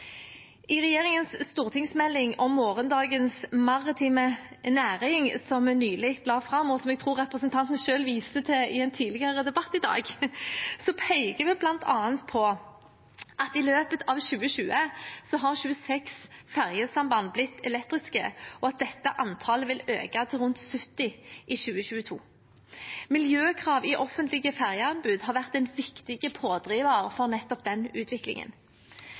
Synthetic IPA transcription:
ɪʁɛjeːɾɪŋənsst̪uːʁt̪ʰɪŋsmɛlːɪŋɔmːoːʁənd̪ɑːɡənsmɑʁɪt̪ʰiːmə | næːʁɪŋsɔmnyːlɪkt̪lɑːfʁɑmːɔsɔmɛɡ̚t̪ʰʁuːʁʁɛpʁəsənt̪ʰɑnt̪n̩ʃøːlʋiːsət̪ʰɛɪɛnt̪ʰiːd̪lɪɡəʁəd̪ɛbɑt̪ːɪd̪ɑ̰ːɡ | sɔpʰɛɪɡəʋɪblɑnt̪ʰɑːənt̪pʰɔ | ʔɑt̪ɪløːpət̪ʰɑːʋʃʉːəʃʉːəsɔɦɑʁʃʉːəsɛksfæʁjəsɑmbɑnblɪt̪ːɛlɛkt̪ʁɪskə̰ɔɑt̪̚d̪ɛt̪ːəʔɑnt̪ʰɑːləʋɪlø̰ːkɑt̪ʰɪlʁʉnt̪sʉt̪ːɪʔɪʃʉːəɕʉːət̪ʰṵː | mɪljøːkʰʁɑːʋɪʔɔfənt̪lɪɡəfæʁjəɑnbʉd̪ɦɑʁʋæʁt̪ɛɪnʋɪkt̪ɪɡəpʰoːd̪ʁiːʋəʁfɔʁnɛt̪ːɔp̚d̪ɛnʉːt̪ʰʋɪklɪ̰ŋə̰n

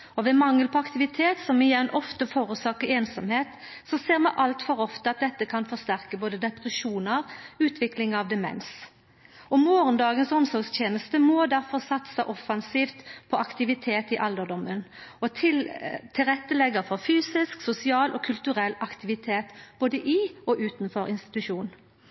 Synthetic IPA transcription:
ɔʋɛmɑŋːəlpʰɔɑkt̪ɪʋɪt̪ʰeːt̪sɔmɪjɛnːʔɔft̪əfoːɾʉsɑːkəɾeːnsɑmheːt̪ | sɔseːʁmɛʔɑlt̪fɔɾɔft̪əɑt̪̚d̪ɛt̪ːəkʰɑnfɔʁst̪æʁkəboːd̪əd̪ɛpʁɛʃuːnəʁʉːt̪ʰʋɪklɪŋɑʋd̪ɛmɛ̰ns | ɔmoːʁənd̪ɑːɡənsɔmsɔɾɡst̪ʰjeːnəst̪əmɔd̪æʁfɔʁsɑt̪səʔɔfɑnsiːft̪pʰɔʔɑkt̪ɪʋɪt̪ʰeːt̪ɪʔɑld̪əd̪ɔmːənɔt̪ʰɪt̪ʰɪlʁɛt̪ːəlɛɡəɾfɔʁfyːsɪsksʊsɪɑːlʔɔkʰʉlt̪ʉʁɛlːɑkt̪ɪʋɪt̪ʰeːt̪b̥oːd̪əʔɪɔʔʉːt̪nfɔɾɪnst̪ɪ̥t̪ʉʂuːn

